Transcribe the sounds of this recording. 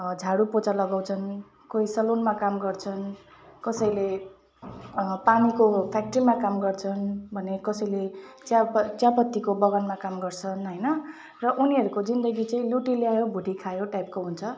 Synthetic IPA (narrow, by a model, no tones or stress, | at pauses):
d͡zʱaɽupot͡salʌɡaw̃t͡sʰʌn | koisʌlonmakamɡʌrt͡sʰʌnkʌsʌjle | panikopʰak̚ʈrimakamɡʌrt͡sʰʌnbʱʌnekʌsʌjlet͡sjapt͡sjapʌt̪ːikobʌɡʌnmakamɡʌrt͡sʰʌnɦʌjnʌ | rʌʔuniɦʌɾukod͡zind̪ʌɡit͡saĩluʈileajobʱuʈikʰajoʈajp̚koɦunt͡sʰʌ